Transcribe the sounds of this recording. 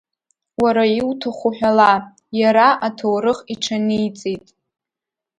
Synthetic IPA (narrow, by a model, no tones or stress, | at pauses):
waɾaiwtʰaχʷuħʷᶣala | jaɾaʔatʰowɾɨχiʈ͡ʂʰanijt͡sʼetʼ